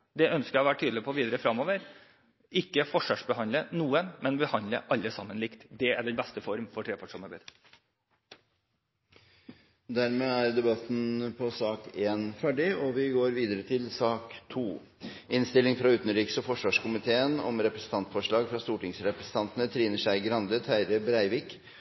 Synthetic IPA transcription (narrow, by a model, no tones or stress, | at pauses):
d̪ɛœnskəɾɑʋæːʈʰyːd̪l̩ɪpʰɔːʋiːd̪əɾəfɾɑmːoːʋəɾ | ɪkːəfɔʂʋɑːʂbəhɑnləənuːəmɛnbəhɑnd̪lə̰ʔɑlːəsɑmːənlɪkt̪d̪ɛæɖɛnbɛst̪əfɔɾmfɔʈʰɾeːpʰɑʂuːməbəɾ | d̪æɾmeːæɾd̪ɛbɑt̪ːn̩pʰɔsɑːkeːnfæɖɪɔʋɪɡoːɾʋiːd̪əɾət̪ʰɪlsɑːkt̪ʰuː | ɪnst̪ɪlɪŋfɾɑʉːt̪n̩ɾiːksɔfɔʂʋɑːʂkʊmɪt̪ʰeːənɔ̰mɾɛpɾɛsn̩t̪ɑnt̪fɔʂɭɑːɡfɾɑst̪uːʈɪŋsɾɛpɾɛsən̩t̪ʰɑnt̪ənət̪ʰɾiːnəʂæɪɡɾɑnd̪ət̪ʰæɪɾəbɾæɪʋɪːk